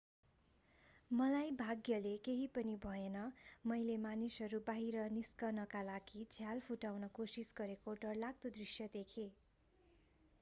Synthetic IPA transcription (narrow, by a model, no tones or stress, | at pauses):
mʌlajbʱaɡjʌlekeɦipʌnibʱʌenʌmʌjlemanisʌɾubaɦiɾʌniskʌrnʌkalaɡid͡zʰʱjalpʰuʈawnʌkosisɡʌɾekoʈʌrlaɡ̚t̪od̪risjʌd̪ekʰe